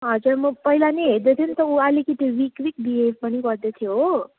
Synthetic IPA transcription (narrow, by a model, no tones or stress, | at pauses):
ɦʌd͡zurmʌpʌɦilaneɦeɾd̪et̪ʰunt̪ʌualekit̪ewikwikbiɦebpʌniɡʌɾd̪et̪ʰjo